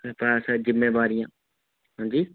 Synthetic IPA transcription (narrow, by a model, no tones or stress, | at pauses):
pasazɪmːeːʋaːɾɪjãː | ɦãːɲd͡ʒiː